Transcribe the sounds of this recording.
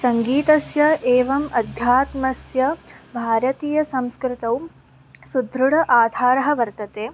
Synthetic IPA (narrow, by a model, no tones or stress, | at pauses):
sɐŋɡiːt̪ɐsjɐʔeːʋɐmɐd̪ʱjaːt̪mɐsjɐbʱaːɾɐt̪iːjɐsɐmskɾɪt̪ɐw | sud̪ʱɾuɽɐʔaːd̪ʱaːɾɐɦɐʋɐɾt̪ɐt̪eː